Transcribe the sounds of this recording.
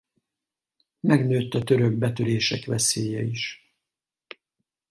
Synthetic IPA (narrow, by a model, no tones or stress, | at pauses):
mɛɡnøːt̪ːɒt̪ø̞ɾøɡ̚bɛt̪øɾeːʃɛkʋɛseːjɛiʃ